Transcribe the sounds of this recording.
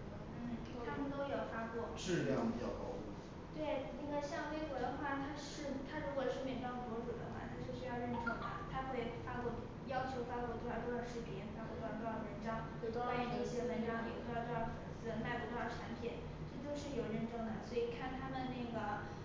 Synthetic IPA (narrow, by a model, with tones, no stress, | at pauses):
n̩˥˩ | t̪ʰa˥mə˨nt̪o˥ʊjo˨˩ʊfa˥kwɔ˥˩ʂɻ̩˥˧jɑ˥˩ŋi˨˩ɑ̰˥˩ʊkɑ̰˥˧ʊu˥˩ | t̪we˥˩ɪna˥˩ɡə˩ɕjɑ˥˧ŋwe˥ɪxwɔ˧˥d̪ə˧xwa˥˩t̪ʰa˥ʂɻ̩˥˩t̪ʰa˥ɻu˧˥kwɔ˨˩ʂɻ̩˥˩˧mjɛ˨˩nʈ͡ʂɑ˥ŋpwɔ˧˥ʈ͡ʂu˨˩d̪ə̰˦xwa̰˥˩t̪ʰa˥ʂɻ̩˥˩ɕy˥jɑ˥˧ʊɻə˥˧nʈ͡ʂɤ˥˩ŋɐ̰˩t̪ʰa˥kɤ˥˩ɛ˨˩fa˥pu˥˩ | jɑ˥ʊt͡ɕʰjo˧˥ʊfa˥kwu˥˩t̪ʰa˧˩o˥ʊə˨˩ʂɻ̩˥˩pɛ˥˩fa˥ku˥˩t̪ɑ˥˩ɻə˧˥nʈ͡ʂɑ˥ŋt̪o˥˩t̪o˥a˥˨˩ɕjɛ˥wə˧˥nʈ͡ʂɑ˥ŋʰ˨˩o˥˧jʈ͡ʂ̪fə˨˩nt͡sɹ̩˥˩˧na˥˩ɪp̪u˧˥t̪ʈ͡ʂʰa˧˥npʰji˨˩˦n | ʈ͡ʂɤ˥˧t͡ɕjo˥˧ʊʂɻ̩˥˩jo˨˩ʊɻə˥˧nʈ͡ʂɤ˥˩ŋd̪ə˨˩swɔ˧˥i˨˩kʰa˥˩nt̪ʰa˥mə˨nna˥˩ɪɡə˩